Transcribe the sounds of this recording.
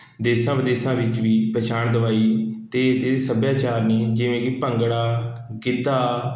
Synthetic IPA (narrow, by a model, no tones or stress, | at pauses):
d̪eːsãːʋəd̪eːsãːʋɪt͡ʃʋiːpɾət͡ʃʰaːɳd̪əʋaːiːt̪eːt̪esəbjaːt͡ʃaːɾniːd͡ʒɪʋẽːkipəŋɡɽaːkɪt̪aː